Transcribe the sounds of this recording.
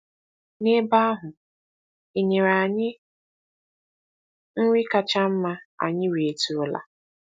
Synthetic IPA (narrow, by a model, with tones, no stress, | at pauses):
ne˦ba˦a˦ɦʊ˨ | i˨ɲe˨ɾa˨ɲɪ˦ | ŋ̩˦wʷi˦ka˨t͡ʃa˦m̩˦ma˦a̰˨ɲɪ˦ɾi˨e˨tu˨ʊ˨la̰˨